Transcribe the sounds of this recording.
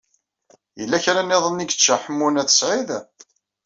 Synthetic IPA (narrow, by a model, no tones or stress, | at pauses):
jəlːæçɾænːeðˤənːiɡə̥t͡ʃːaħəmːunæθə̥sʕið